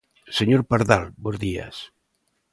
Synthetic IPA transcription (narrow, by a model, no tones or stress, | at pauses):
seɲoɾpaɾðalbozðia̰s